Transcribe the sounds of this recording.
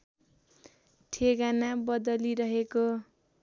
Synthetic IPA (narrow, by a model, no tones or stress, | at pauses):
ʈʰeɡanabʌd̪ʌliɾʌɦeko